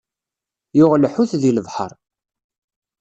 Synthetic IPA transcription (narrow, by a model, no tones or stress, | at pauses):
jʊʁlħuθðiləvħə̰ɾˤ